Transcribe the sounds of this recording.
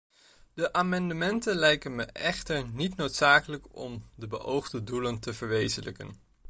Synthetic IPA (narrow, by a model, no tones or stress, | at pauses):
d̥əʔaːmɑndəmɛntənlɛjkənməʔɛχtəɹnitnowtsaːkələkɔ̰mdəbə̰ʔowχdəduləntəvəɹʋejzənlə̰kə̰n